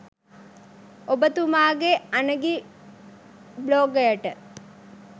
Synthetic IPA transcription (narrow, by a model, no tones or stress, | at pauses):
obət̪umaːɡeanəɡi | bloːɡɐjəʈə